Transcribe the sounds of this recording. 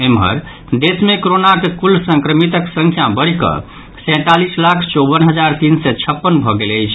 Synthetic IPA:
emɦə̰ɾ | d̪esmekɾonakekulsə̃ŋkɾəmit̪əksəŋkʰjabəɽikə̰ | sɛ̃t̪alislakʰt͡ʃɔbənɦəd͡ʒaɾt̪insɛt͡ʃʰəpːənbʱɔɡeləjt͡ʃʰ

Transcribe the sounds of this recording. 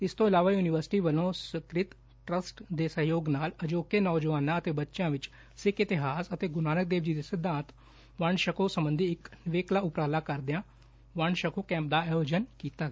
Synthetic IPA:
ɪst̪õːɪlaːʋaːjuːnɪʋəɾsɪ̥ʈiːʋəlõːsɪkɾɪt̪ | ʈɾəsʈd̪eːsə̃ɦjoːɡnaːləd͡ʒoːkeːnɔːd͡ʒəʋaːnãːət̪eːbətːʃjãːʋɪt͡ʃ | sɪkɪt̪ɪɦaːsət̪eːɡʊnaːnək̚d̪eːʋd͡ʒiːd̪eːsɪd̪ʱãːnt̪ | ʋəɳʃəkoːsəmbənd̪ʱiːɪknɪʋeːklaːʊpɾaːlaːkəɾd̪eãː | ʋəɳʃəkʰoːkɛ̃ːmp̚d̪aːɛoːd͡ʒənkiːt̪aːɡ

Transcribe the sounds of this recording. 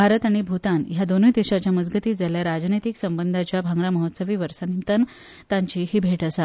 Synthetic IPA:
bʱaɾət̪aɽ̃ibʱut̪anjad̪onujd̪eɕat͡ɕjaməd͡zɡət̪iːd͡zaljaɾad͡znet̪iksəmbənd̪ʱat͡ɕjabʱaŋɡɾaməɦot̪səʋiːʋəɾsanimt̪ən | t̪ãɲt͡ɕiːɦiːbʱeʈəsa

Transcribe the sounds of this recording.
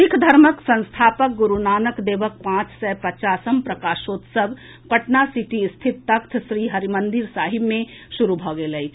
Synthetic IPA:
ɪkʰd̪ʱɐɾməksɐ̃nst̪ʰaːpək̚ɡʊɾunaːnəkd̪eːʋək̚pãːt͡ʃsɛpɐt͡ʃaːsəmpɾɐkaːʃoːt̪səb | pɐʈnasiʈist̪ʰɪt̪ːɐkt̪ʰʃɾiːɦɐɾimə̃nd̪ɪɾsaːɦɪbmẽʃuɾubʱɔːɡelɐi

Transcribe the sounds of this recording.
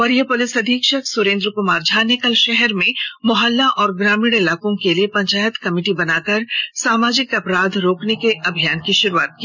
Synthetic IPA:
ɔɾjepʊlɪsɐd̪ʱiːkʃəksʊɾẽːnd̪ɾkʊmaːɾd͡ʒʱaːnekɐlʃɛɦɛɾmẽmɔɦəlːaʔɔːɾɡɾaːmɪɽɪlaːkõkeliepɐ̃ɲt͡ʃaːjət̪kɐmɪːʈibɐnaːkəɾsaːmaːd͡ʒɪkɐpɾaːd̪ʱɾoːknekeʔɐbʱijaːnkiʃʊɾua̰ːt̪̚ki

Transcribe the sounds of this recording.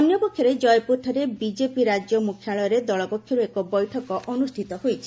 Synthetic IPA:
ɔnjɔpokʰjɔɾed͡ʒɔjpuɾʈ̪ʰɔɾebid͡ʒepiɾad͡ʒjɔmukʰjaɭɔjɔɾed̪ɔɭɔpokʰjɔɾuekɔbɔjʈʰɔkɔʔɔnust̪ʰit̪ɔhojt͡ʃʰi̥

